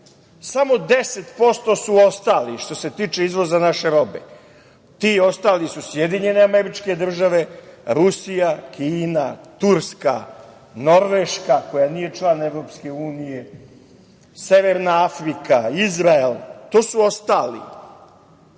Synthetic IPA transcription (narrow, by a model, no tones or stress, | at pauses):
samo̞d̪e̞set̪po̞st̪o̞suo̞st̪aːliʃt̪o̞se̞t̪iːt͡ʃeizʋo̞zanaʃeɾo̞be̞̰ | t̪iːo̞st̪aːlisusje̞d̪iɲe̞ne̞ameɾit͡ʃke̞d̪r̩ʒaʋe̞ɾusijakiːnat̪uɾska̰ | no̞ɾʋeʃkako̞janije̞t͡ʃlˠaneʋɾo̞ːp̪ske̞uːnije̞ | se̞ʋeɾnaafɾikaizɾaelt̪oːsuo̞st̪aːlḭ